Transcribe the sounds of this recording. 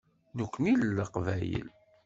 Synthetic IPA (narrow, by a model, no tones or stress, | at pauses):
nukʷːnilːəqvæjə̰l